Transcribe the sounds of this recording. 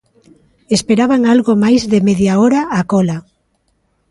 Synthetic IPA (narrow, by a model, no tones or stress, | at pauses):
espeɾaβaŋalɣomajzðemeðjaɔɾaːkɔla